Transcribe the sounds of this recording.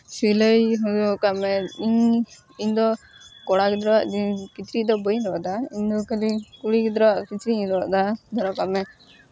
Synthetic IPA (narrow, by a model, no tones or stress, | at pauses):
siləjɦudɔkamɛiɲ | iɲd̪ɔ | kɔɽakd̪ɾɔwaʔd͡ʒikit̪ɾid̪ɔbəjɾɔʔd̪aiɲd̪ɔkəlikuɽikd̪ɾɔwaʔkit͡ʃɾiɲɾɔʔd̪ad̪ɔɾɔkamɛ